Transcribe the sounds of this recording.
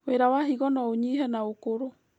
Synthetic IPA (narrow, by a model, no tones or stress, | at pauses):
weɾawaɦiɣɔnɔoɲihɛnaokoɾo